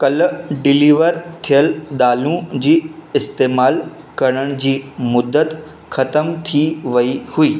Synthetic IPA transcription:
kɐlɖɪliːʋəɾt̪ʰijəld̪aːlũd͡ʑiːɪst̪eːmaːl | kɐɾ̃əɽ̃d͡ʑiːmʊd̪ət̪ | xɐt̪əmt̪ʰiʋɐihuiː

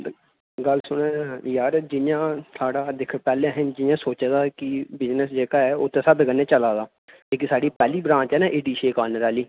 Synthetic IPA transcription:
ɡəlsʊɽẽːjaːɾd͡ʒɪjãːsʰaːɽaːd̪ɪkʰpɛːlẽːɦənd͡ʒɪãːsoːt͡ʃãd̪aːkɪbɪznəsd͡ʒeːkaːɛːot̪ʰːẽːsəbkənẽːt͡ʃəlaːd̪aː | leːk̬isaːɖiːpɛːliːbɾãːt͡ʃɛːnãːʔɪɖiːʃeːkaːnɾaːliː

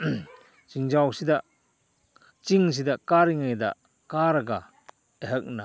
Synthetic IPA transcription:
t͡ʃiŋd͡ʒawsida | t͡ʃiŋs̬idakaɾiŋajda̰ | kaɾɐɡa | eɦək̚na

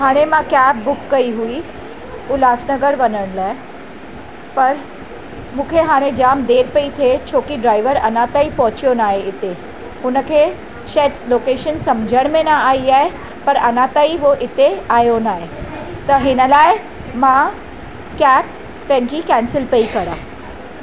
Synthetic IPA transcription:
ɦaːɽ̃ẽmãkɛːp̚bʊkːɐiɦui | ɦulaːsnɐɡəɾʋɐnəɽ̃laːɪ | pɐɾ | mũːkʰeɦaːɽ̃ẽd͡ʑaːmd̪eːɾpɐit̪ʰet͡ɕʰoːkiɖɾaːɪʋəɾɐnãt̪aːipɔɦʊt͡ɕijonaːɦeɪt̪e | ʊnə̆kʰeː | ʃeːʈsloːkeːʃənsɐmd͡ʑʱəɽ̃mẽnaaːiaːɦe | pɐɾɐnat̪aːiʋoʔɪt̪eaːjonaːɦe | t̪ɐɦɪnəlaːɪ | mã | kɛːp | pɐ̃ɦɪ̃ɲd͡ʑikɛ̃ːnsɪlpeikɐɾaː

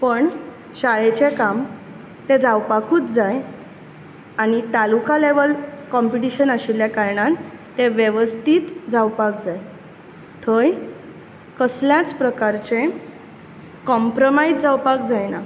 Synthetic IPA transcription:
pəɳ | ɕaɭet͡ɕekam | t̪ed͡zawpakuːt͡sd͡zaj | aɽ̃it̪alukaleʋəlkɔmpiʈiɕənaɕiljakaɾɳãt̪ːeʋjeʋəst̪ʰiːt̪d͡zawpakd͡zaj | t̪ʰəj | kəsljãt͡spɾəkaɾt͡ɕẽ | kɔmpɾomajd͡zd͡zawpak̚d͡zajna

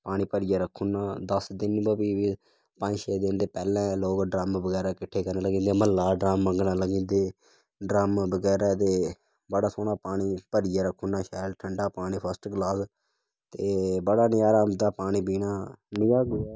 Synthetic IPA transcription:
paːɽ̃iːpəɾɪjaːɾəkʰːuːnaːd̪əsd̪ɪnbəbiːi | pə̃ːnd͡ʒʃeːd̪ɪnd̪eːpɛːlɛ̃ːloːkɖɾaːmbəɡɛːɾaːkɪʈʰeːkəɾnaːləɡĩːnd̪eːməlːaːɖɾaːmːəŋɡnaːləɡĩːnd̪eː | ɖɾaːmːbəɡɛːɾaːt̪̬eː | bəɽaːsoːnaːpaːɽ̃iːpəɾɪjaːɾəkʰːũːnaːʃaːlʈʰəɳɖaːpaːɽ̃iːpʰəsʈɡlaːs | t̪eːbəɽaːnɪjaːɾaːmd̪aːpaːɽ̃iːbiːnaːnɪjaːɡʊː

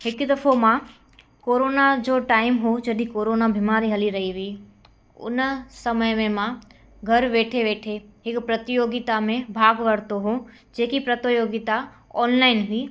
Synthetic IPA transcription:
ɦɪkd̪ɐfomã | koːɾoːnad͡ʑoːʈaːɪmɦod͡ʑɐd̪ʱikoːɾoːnabʱɪmaːɾiɦɐliɾɐɦiʋiː | ʊ̰nsɐməjmẽmã | ɡʱɐɾʋeːʈʰeʋeːʈʰeɦɪkpɾɐt̪ɪjoːɡɪt̪amẽbʱaːɡʋɐɾt̪oɦo | d͡ʑeːkipɾɐt̪joːɡɪt̪a | ɔːnlaːɪnɦʊiː

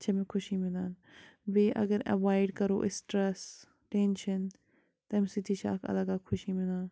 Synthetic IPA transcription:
t͡ʃʰɐmẽkʰʊʃimɪlaːn | beːʔɐ̰ɡəɾɐ̰ʋaːɪɖkɐɾo̰ːʔɪsʈɾes | ʈeːnʃən | t̪ɐmsit̪ʰit͡ʃʰa̰ːkʰɐ̰lɐɡaːkʰʊʃimɪlãːn

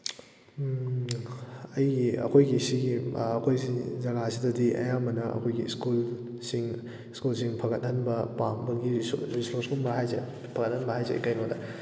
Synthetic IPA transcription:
ɐjɡiɐ̰kʰojɡisiɡiɐkʰojzizɐɡasidɐdiʔɐ̰jaŋmɐnɐɐ̰kʰojɡiskul | siŋ | skulsiŋpʰɐɡɐt̚hɐnbɐpambɐɡiɾisloskulmɐɦajze | pʰɐɡɐt̚hɐnbɐɦajzḛkajnodɐ

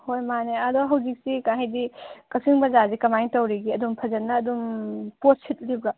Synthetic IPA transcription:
hojmaneadɔɦɐwzik̚sikãɦidikɐsiŋbɐzazikɐmajŋtɐwɾiɡiɐdumpʰɐzɐnːɐːdumpot̚sʰit̚libɾa

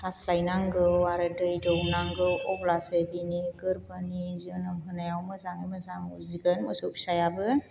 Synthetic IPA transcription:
aslajnaŋɡɯwaɾɯdɯjdɯwnaŋɡɯwɔblasɯbiniɡɯɾbaniziɔnɯmɦɯnajawmɯzaŋɯjmɯzaŋɯziɡɯnmɔsop̚sajabɯ

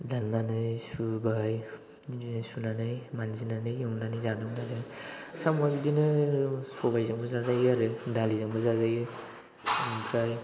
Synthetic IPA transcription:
danːanɯjsubaj | sunanɯjmanzinanɯjɔŋnanɯjzanɯmaɾɯsamajbidinɯsɔbajzaŋbɯzazajɯaɾɯdalizaŋbɯzazajɯ | ŋpʰɾaj

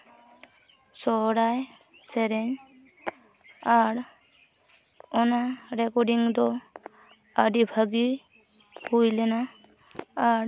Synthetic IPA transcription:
sɔɽaj | seɾɛɲ | aɾ | ɔnaɾekɔɖiŋd̪ɔ | ad̪ibʱaɡi | hujlɛnaː | ɾ

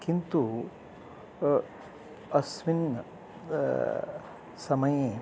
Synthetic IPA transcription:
kint̪u | ɐsʋin | sɐmɐje

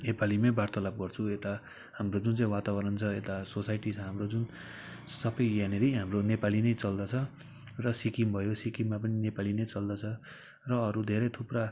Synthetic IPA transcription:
nepalimabart̪ʌlap̚ɡʌrt͡sʰuet̪a | hamrod͡zunt͡saĩwat̪abʌɾʌnt͡sʰʌet̪asosajʈit͡sʰʌɦamrod͡zun | sʌbʌjjaneɾijɦamronepalinʌjt͡sʌld̪ʌt͡sʰʌ | rʌsikimbʱʌjosikimːapʌninepalinʌjt͡sʌld̪ʌt͡sʰʌ | rʌːɾud̪ʱeɾʌt̪ʰupra

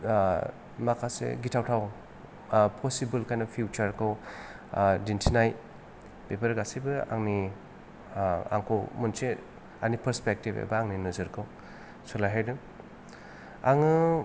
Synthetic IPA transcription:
makʰasḛɡitʰawtʰaw | pʰɔsibɯlkʰajnɐpʰjut͡ʃaɾkʰɯw | dintʰinaj | b̥epʰɐɾɡasibɯa̰ŋni | a̰ŋkʰowmunse | anipʰɐɾspek̚tibḛbaaŋninuzɯɾkʰɯw | sulajɦajdɯ | aŋɯ

